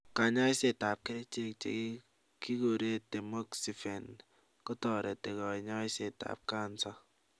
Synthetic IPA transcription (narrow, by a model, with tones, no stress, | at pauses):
ka˨ɲa˦ɪ˦se˦ta˨p̚ke˦ɾe˦t͡ʃe˦kt͡ʃḛ˨k | ki˦ɡo˨ɾe˦˨te˨mo˦ksi˨fe˨n | kɔ˦tɔ˨ɾe˨te˨ɡɔ˨i˨ɲɔ˦ɪ˦se˨ta̰˨p̚ka˦˨n˦sɔ˦